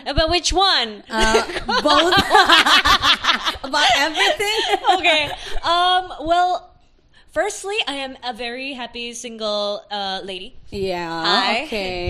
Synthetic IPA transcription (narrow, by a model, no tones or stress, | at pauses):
əbawɨt͡ʃwʌ̃n | boθ | əbaʊɾɛvɹiθɪ̃ŋoʊkeɪʌ̃mwɛlˠ | fɜ˞stˡliʔaɪɨ̃mɨvɛɹiɦæpisɪ̃ŋɡl̩ˠʌleɪɾijæaokʰe